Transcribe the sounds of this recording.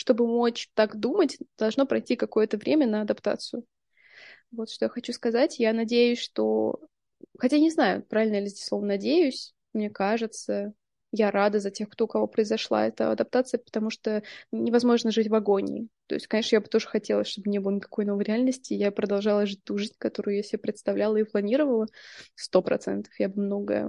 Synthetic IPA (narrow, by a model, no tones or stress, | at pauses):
ʂt̪o̞bɨmo̞t͡ɕt̪akd̪umətʲd̪̥ɐlˠʐno̞pɾɐjtʲikɐko̞jət̪əvɾʲʔemʲənəɐd̪ɐpt̪a̰t̪sɨjʊ | vo̞t̪ʂt̪ojaxɐt͡ɕuskɐzatʲjanɐdʲejʊsʲʂt̪o̰ | xɐtʲajnʲɪznajʊ̰pɾavʲɪlʲnəjɪlʲɪzʲdʲeslovnənɐdʲejʊsʲ | mnʲekaʐɨt̪sə | jaɾad̪əzɐtʲe̞xkt̪oʊkɐvo̞pɾəɪzɐʂlˠa̰ɛt̪ə̰ɐ̰d̪ɐp̚t̪at̪sɨjəpə̥t̪ɐmuʂt̪onʲɪvɐzmo̞ʐnəʐɨtʲvɐɡo̞nʲɪ̰t̪o̞ɪsʲtʲkɐnʲe̞ʂnəjabɨt̪o̞ʐɨxɐtʲe̞lˠə̰sʲʂt̪o̞bmnʲebəlˠənʲɪkɐ̥ko̞jno̞vəjɾʲɪalʲnəsʲtʲɪjapɾəd̪ɐlˠʐɑlˠəʐɨt̚ʲt̪uʐɨzʲnʲkɐt̪o̞ɾʊjʊjasʲɪbʲepɾʲɪt̪st̪ɐvlʲalˠəiplˠɐnʲiɾəvəlˠəst̪o̞pɾɐ̰t̪sɛ̰nt̪ə̥fjabɨmno̞ɡə̰